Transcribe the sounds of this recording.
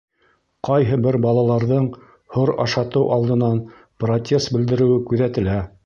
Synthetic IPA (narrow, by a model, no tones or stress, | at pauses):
qɑjɦɤbɘɾbɑlˠɑlˠɑɾðɤɴ | hoɾɑ̰ʃɑt̪ɤwʔɑ̰lˠd̪ɤ̆nɑn | prot̪ʲʰe̞st̪bɘ̆ld̪ɘ̆ɾɘ̆wɘkʉðæt̪ɘ̆læ